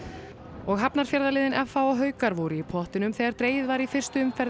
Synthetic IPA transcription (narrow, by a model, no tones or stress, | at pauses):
ɔɣɦapnaɾ̥fjaɾðalɪːðɪnʔɛfːawɔɦœːɥkaɾvuɾɪipʰɔht̪ɪnʏmθɛːɣaɾt̪ɾeːjðvaɾifɪr̥st̪ʏʏmfɛɾ